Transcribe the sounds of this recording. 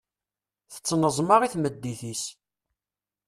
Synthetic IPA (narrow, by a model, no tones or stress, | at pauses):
θə̥t͡sːnəzˤmɑʁiθməd̪ːiθis